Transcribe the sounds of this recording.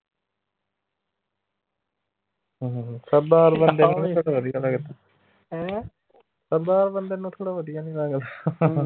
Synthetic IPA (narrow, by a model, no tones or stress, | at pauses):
ɦə̃ːɦsəbaːɾbənd̪enũt̪ʰoːɽaʋəd̪ijalaːɡɪt̪ːa | səbaːɾbənd̪eːnːũːt̪ʰoːɽaːʋəd̪ijaːnilaːɡəl